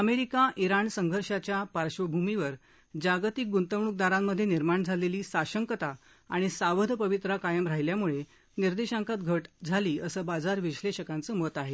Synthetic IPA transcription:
əmeɾikaʔiɾaɳsəŋɡʱəɾɕat͡ɕjapaɾɕʋəbʱumiʋəɾ | d͡ʑaɡt̪ik̚ɡunt̪əʋɳuk̚d̪aɾamːəd̪ʱːjeniɾmaɳd͡zʱaleliːsaɕəŋkət̪a | aɽ̃isaʋəd̪ʱpəʋit̪ɾakajəmɾaɦjljamuɭe | niɾd̪eɕãŋkat̪ɡʱəʈd͡zʱaliːəsəːbad͡zaɾʋiɕleɕəkãnt͡səːmot̪aɦe

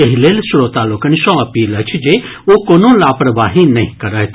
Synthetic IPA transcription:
eɦileːlsɽoːt̪aːlʊkənʃɔ̃ɐpiːlɐt͡ʃʰd͡ʒeː | oːkoːnõːlaːpɾəbaːɦinɐḭ̃kɐɾət̪

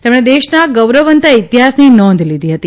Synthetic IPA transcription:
t̪emɽ̃ed̪eʃnaɡəwɾəʋənt̪ait̪iɦasninɔ̃nd̪ʱlid̪ʱiɦət̪i

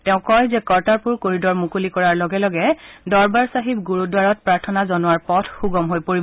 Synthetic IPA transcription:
tɛʊ̃kɔjzɛkɔɹtaɹpuɹkoɹidɔɹmukulikɔɹaɹlɔɡɛlɔɡɛdɔɹbaɹsaɦibɡuɹudwaɹɔt̚pɹaɹtʰɔnazɔnʊwaɹpɔtʰxuɡɔmɦojpoɹibɔ

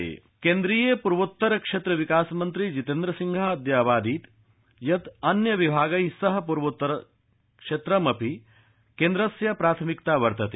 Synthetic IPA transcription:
kend̪ɾiːjɐpuɾʋut̪ːɐɾɐkʂet̪ɾɐʋikaːsmɐnt̪ɾid͡ʒit̪end̪ɾɐsiŋɡʱaːɐd̪jaːʋaːd̪iːt̪ | jɐt̪ɐnjɐʋibʱaːɡɐjsɐɦɐ̆puɾʋut̪ːɐɾɐ | kʂeːt̪ɾɐmɐpi | keːnd̪ɾɐsjɐpɾaːt̪ʰɐmikt̪aːʋɐɾt̪ɐt̪e

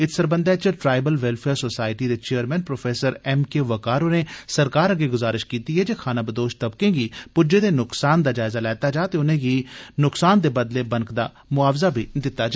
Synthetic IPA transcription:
ɪt̪səɾbə̃nd̪ɛːt͡ʃəʈɾaːɪbəlʋɛlpʰeːɾsoːsaːɪʈiːd̪eːt͡ʃeːəɾmɛ̃ːnpɾoːpʰeːsəɾɛːmkeːʋəkaːɾonẽːsəɾkaːɾəɡeːɡʊzaːɾɪʃkiːt̪iːɦɛːd͡ʒeːkʰaːnãːbəd̪oːʃt̪əbkẽːɡiːpʊd͡ʒeːd̪eːnʊksaːnd̪aːd͡ʒaːɪzaːlɛːt̪aːd͡ʒaːt̪eːʊnẽːɡiːnʊksaːnd̪eːbəd̪leːbənkd̪aː | mʊaːʋzaːbʱiːd̪ɪt̪ːaːd͡ʒa

